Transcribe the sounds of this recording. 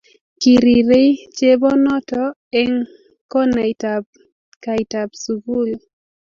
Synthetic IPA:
ki˨ɾi˨ɾe˦t͡ʃe˦bɔ˦nɔ˦tɔ˦ | ɛ˦ŋ | kɔ˦na˨itab | ka˨i˨ta˨bsu˨ɡu˦˨l

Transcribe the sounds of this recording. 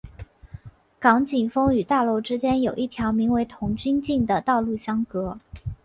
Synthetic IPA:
kɑ˧˥ŋt͡ɕi˨˩nfɤ˥ŋy˨˩t̪a˥˩lo˥˩ʊʈ͡ʂɻ̩˥t͡ɕjɛ˥njo˨˩ʊʔi˥˩t̪ʰjɑ˧˥ʊmi˧˥ŋwe˧˥ɪt̪ʰʊ˧˥ŋt͡ɕy˥nt͡ɕi˥˩nd̪ə˩t̪ɑ˥˧ʊlu˥˩ɕjɑ˥ŋkɤ˧˥

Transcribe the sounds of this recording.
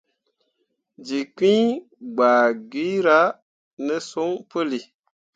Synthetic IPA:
d͡ʒi˨kĩ˦ | ɡ͡baː˨ɡi˦ɾa˦ | nə˦so˦ŋpə˦li˨

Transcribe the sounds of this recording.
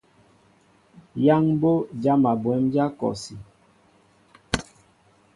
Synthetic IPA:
ja˦ŋbo˦d͡ʒa˦ma˨bwɛ˨˦md͡ʒa˦kɔ̰˨si˨

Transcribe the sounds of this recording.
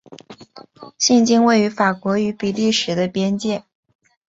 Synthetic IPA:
ɕi˥˩nt͡ɕi˥ŋwe˥˩ɪy˧˥fa˨˩kwɔ˧˥y˧˥pi˨˩li˥˩ʂɻ̩˨˩d̪ə˧pjɛ˥nt͡ɕjɛ˥˩

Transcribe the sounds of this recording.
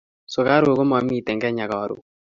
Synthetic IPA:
so˨ka˦ɾo˨ko˦m˦a˨˦mi˦˨tɛ˨ŋɡɛ˦ɲa˨kɔ˨˦ɾo̰˨

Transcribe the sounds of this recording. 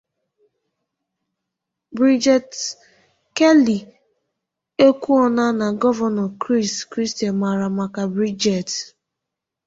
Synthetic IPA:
bɾi˦d͡ʒɛ˨t | ke˦li˨ | e˦kʷu˦ɔ˦na˦na˨ɡɔ˦va˨nɔ˨kɾi˦˨skɾi˦sti˨a˨nma˨ɾa˨ma˨ka˨bɾi˦d͡ʒɛ˨t

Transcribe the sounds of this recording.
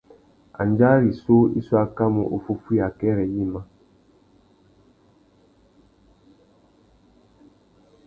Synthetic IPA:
a̰˨n˦d͡ʒa˦ɾi˨so˦ḭ˦su˦a˦ka˦mo˨ʔo˨fu˦fu˦a˨kɛ˦ɾɛ˨ji˦ma˦

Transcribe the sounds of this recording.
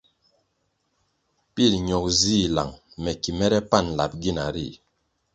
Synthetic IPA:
pi˦˨lɲɔ˨k̚zi˦˨la̰˨ŋ | mɛ˨ki˨mɛ˦ɾɛ˦pa˦˨n˨la̰˨p̚ɡi˦˨na˨ɾḭ˦˨

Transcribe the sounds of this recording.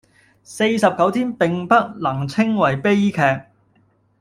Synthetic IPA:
se˧jsɐ˨p̚kɐ˨˥wt̪ʰiː˥npɪ˨ŋpɐ˥t̚lɐ˨˩ŋt͡sʰɪ˥ŋwɐ˨˩jpe˥jkʰɛː˧k̚

